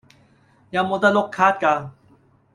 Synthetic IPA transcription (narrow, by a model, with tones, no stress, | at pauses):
ja˨mot̪a˥lo˥kʰːaː˦t̪̚kaː˧